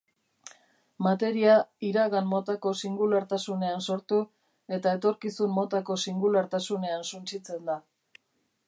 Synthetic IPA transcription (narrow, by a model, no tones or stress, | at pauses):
mat̪e̞ɾiaiɾaɣanmo̞t̪ako̞siŋɡulaɾt̪asune̞anso̞ɾt̪u | e̞t̪ae̞t̪o̞ɾkisummo̞t̪ako̞siŋɡulaɾt̪asune̞ansunt͡ʃit͡se̞nd̪a